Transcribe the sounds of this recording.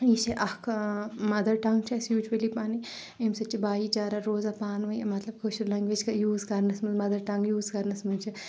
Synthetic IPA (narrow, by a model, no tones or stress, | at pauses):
iʃɐʔɐkʰmɐd̪ɐɾʈɐŋɡ̚t͡ʃʰɐsjuːd͡ʒwɐlipaːni | emsɐt͡ʃʰibaːjit͡ʃaːɾaɾoːzapaːnʋɐjmɐt̪lɐb̚kʰoʃuɾlɐŋɡʋeːd͡ʒʲkɐjuːzkɐɾnɐsmɨnmɐd̪ɐɾʈɐŋɡjuːzkɐɾnɐsmunt͡ʃʰɐ